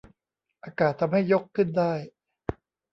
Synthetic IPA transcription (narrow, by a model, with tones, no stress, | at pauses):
ʔaː˧kaː˨˩t̪ʰːa˧mɦa˥˩jːo˦˥kʰːɯ˥˩ndaː˥˩j